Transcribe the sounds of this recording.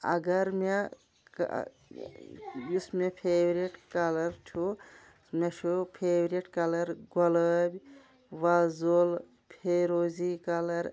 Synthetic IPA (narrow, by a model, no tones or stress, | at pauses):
ɐ̰ɡɐɾme | k | jismepʰeːʋɾieʈkaːlɐɾt͡ʃʰu | meʃupʰeːʋɾeʈkaːlɐɾɡɐləːbʲ | ʋaːzol | pʰeːɾoːzikaːlɐɾ